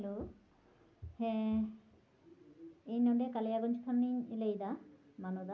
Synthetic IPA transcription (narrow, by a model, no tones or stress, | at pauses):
lo | hɛ̃ | ejnɔɳɖekalejaɡɔnt͡ʃʰt̪ʰanːiɲlejd̪a | manod̪a